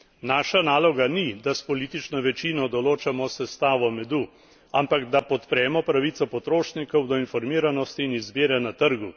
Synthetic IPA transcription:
naːʃanaːlɔɡanid̪aspɔliːt̪it͡ʃnɔʋɛt͡ʃiːnɔd̪ɔloːt͡ʃamɔsɛst̪aːʋɔmɛd̪u | ampaɡd̪apɔt̪pɾɛːmɔpɾaʋit̪sɔpɔt̪ɾoːʃnikɔwd̪ɔinfɔɾmiːɾanɔst̪iːnizbiːɾɛnat̪əɾɡu

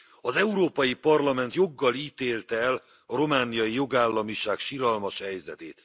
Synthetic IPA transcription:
ɒzɛuɾoːpɒjipɒrlɒmɛnt̪jo̞ɡːɒliːt̪eːlt̪ɛɛl | ɒɾo̞maːnijɒjijo̞ɡaːlːɒmiʃaːkʃiɾɒlmɒʃhɛjzɛt̪eːt̪

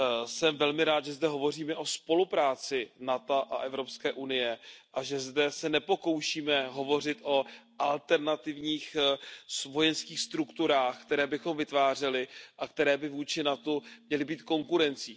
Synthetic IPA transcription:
sɛmvɛlmɪɾaːt̪ʒɛzdɛɦovo̞riːmɛʔo̞spo̞lupɾaːt͡sɪnat̪aʔaʔɛvɾo̞pskɛːʔunɪjɛʔaʒɛzdɛsɛnɛpo̞ko̞wʃiːmɛɦo̞vo̞r̝ɪt̪ʔo̞ʔalt̪ɛɾnat̪ɪvɲiːxsvo̞jɛnskiːxst̪ɾukt̪uɾaːxkt̪ɛɾɛːbɪxo̞mvɪt̪vaːr̝ɛlɪʔakt̪ɛɾɛːbɪvuːt͡ʃɪnat̪umɲɛlɪbiːt̪ko̞ŋkuɾɛnt͡siː

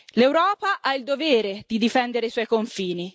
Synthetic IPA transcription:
lewɾɔːpaʔaild̪oveːɾed̪̥id̪ifɛnd̪eɾeswɔjkoɱfiːni

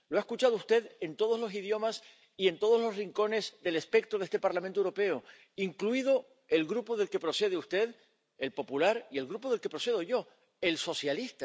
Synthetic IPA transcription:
loaeskut͡ʃaðoust̪e̞ðe̞nt̪oð̞o̞zlo̞siðjo̞mas | ie̞nt̪o̞ð̞o̞zlo̞sriŋko̞ne̞zðe̞lespe̞k̚t̪ɾoðe̞st̪e̞paɾlamẽnt̪oewɾo̞pe̞o | iŋkluiðo | e̞lɣɾupoðelke̞pɾo̞se̞ð̞eust̪e̞ð | e̞lpo̞pulaɾie̞lɣɾupoðelke̞pɾo̞se̞ðo̞ʝo̞ | e̞lso̞sjalist̪a

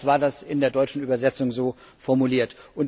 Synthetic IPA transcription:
v̥aːɐdasɪndeːɐdɔʏt͡ʃn̩ʔyːbɐzɛt͡sʊŋzoː | fɔɐmuliːɐtʔʊn

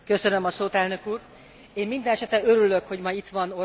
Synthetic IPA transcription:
kø̞sønømɒsoːt̪ɛlnø̞kuːr | eːmmind̪ɛnɛʃɛt̪ɛøɾylø̞kho̞ɟmɒjit̪ʋɒno

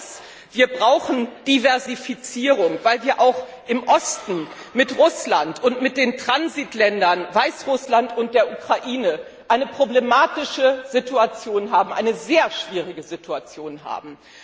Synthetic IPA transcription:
s | v̥iːɐbʁaʊxn̩d̥ivɛɐzifit͡siːʁʊŋvaɪlviːɐʔaʊx | ʔɪmʔɔstn̩ | mɪtʁʊslantʊntmɪt̚d̥eːntʁ̥anzitlɛndɐnvaɪsʁʊslantʊnt̚d̥eːɐʔukʁ̥aʔiːnə | ʔaɪnəpʁ̥oblemaːtɪʃəzituat͡sjoːnɦaːbm̩ʔa̰ɪnəzeːɐʃv̥iːʁ̞ɪɡəzitʰuat͡sjoːnɦa̰ːbm̩

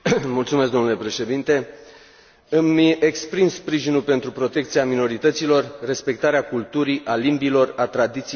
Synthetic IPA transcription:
mult̪sumesɡd̪o̞nulepɾe̞ʃe̞d̪int̪e̞ | ɨmiʔekspɾimspɾiʒinulpe̞nt̪ɾupɾo̞t̪e̞k̚t̪siamino̞ɾit̪ət̪silo̞rːe̞spe̞k̚t̪aɾeakult̪uɾiʔalimbilo̞rat̪ɾad̪it̪si

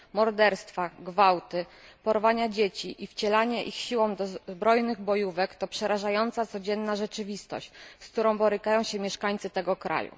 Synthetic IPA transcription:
mɔɾd̪ɛɾst̪faɡvawt̪ɘpɔɾvaɲad͡ʑet͡ɕiʔift͡ɕɛlaɲɛʔixɕiwɔ̃w̃d̪ɔzbɾɔjnɘɣbɔjuvɛkt̪ɔpʂɛɾaʐajɔnt̪sat̪sɔd͡ʑɛnːaʐɛt͡ʂɘvʲist̪ɔ̰ɕt͡ɕsk̚t̪uɾɔ̃w̃bɔɾɘkajɔ̃w̃ɕɛmʲjɛʂkaɲt̪sɘt̪ɛɡɔkɾa̰jṵ

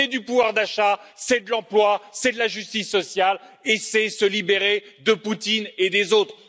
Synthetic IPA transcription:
ɛd̪ypuvwaʁd̪aʃasɛd̪əlɑ̃plwasɛd̪əlaʒyst̪isːɔsjalesɛsəlibeʁed̪əput̪ined̪ezot̪χ

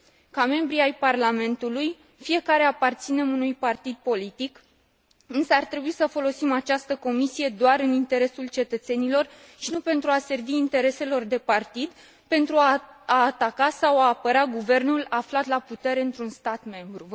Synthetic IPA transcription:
kame̞mbɾiajparlame̞nt̪uluj | fije̞kaɾe̞apart̪sine̞munujpart̪id̪̚po̞lit̪ik | ɨnsəart̪ɾe̞buisəfo̞lo̞simat͡ʃast̪əko̞misije̞d̪oaɾɨnint̪e̞ɾe̞sult͡ʃe̞t̪ət̪se̞nilo̞r | ʃinupe̞nt̪ɾuase̞rviːnt̪e̞ɾe̞se̞lo̞rd̪e̞part̪id̪ | pe̞nt̪ɾuaaːt̪akasawaːpəɾaɡuve̞rnulaflat̪laput̪e̞ɾe̞ɨnt̪ɾunst̪at̪me̞mbɾu

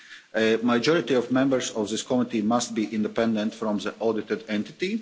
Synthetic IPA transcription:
ʔəmaɪd͡ʒɔɹɪt̪iɔvmɛ̃mbəɾsɔvðɪskʰɔmɪt̪imast̪̚biʔɪ̃nd̪ɛpɛ̃nd̪ɛ̃nt̪fɾɔ̃mðəʔɔdɪt̪ɪd̪ɛ̃nt̪ɪ̥t̪i

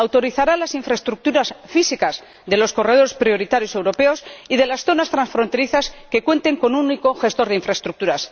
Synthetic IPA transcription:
awt̪o̞ɾiθaɾalasiɱfɾaest̪ɾuk̚t̪uɾasfisikaz | ðe̞losko̞re̞ð̞o̞ɾe̞spɾio̞ɾit̪aɾjo̞se̞wɾo̞pe̞o̞siðe̞lasθo̞nast̪ɾansfɾo̞nt̪e̞ɾiθaske̞kwe̞nt̪e̞ŋko̞nunikoxe̞st̪o̞ɾð̞eiɱfɾaest̪ɾuk̚t̪uɾas

